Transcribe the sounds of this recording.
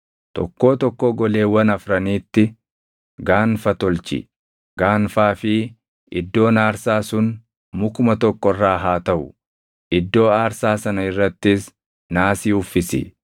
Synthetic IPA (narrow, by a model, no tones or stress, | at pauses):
t̪ɔ̰kːo̞ːt̪ɔkːoɡɔle̞ːwɐnɐfɾɐniːt̪ːɪ | ɡaːnfɐt̪ɔlt͡ʃɪ̰ | ɡ̥aːnfaːfɪ | ɪd̪ːo̞ːnaːɾsaːsʊn | mʊkʊmɐt̪ɔkːɔrːaːɦaːt̪ɐʔʊ | ʔɪd̪ːo̞ːaːɾsaːsɐnɐɪrːɐt̪ːɪs | naːsiːʊfːɪsɪ̰